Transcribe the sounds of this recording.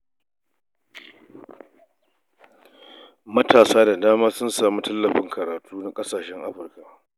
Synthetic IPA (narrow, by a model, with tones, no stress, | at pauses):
mɐ˦tʰaː˨saː˦da˨daː˦maː˦sʊ˦nsaː˨mu˦tʰɐ˦lːɐ˨ɸɪ˦ŋkʰɐ˨ɾaː˨tʰuː˦na˦kʼɐ˦saː˨ʃɛ˦ŋʔa˦ɸʊ˨rka˨ʔ